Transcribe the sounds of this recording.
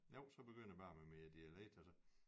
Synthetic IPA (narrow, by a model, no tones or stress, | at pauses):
jo̝ʊ̰sɒ̽b̥e̝ɡ̥øn̰b̥ɑ̈ːmemeæd̥iæleɡ̥̚d̥ælsə